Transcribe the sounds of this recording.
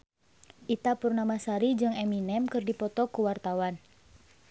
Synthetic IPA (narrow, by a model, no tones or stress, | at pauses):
ʔit̪apurnamasaɾid͡ʒɨŋɛminɛmkɨrdipɔt̪ɔkuwart̪awan